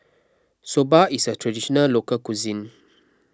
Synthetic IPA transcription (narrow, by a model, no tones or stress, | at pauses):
sobaisətʰɹadiʃɔnallokəlkuzĩn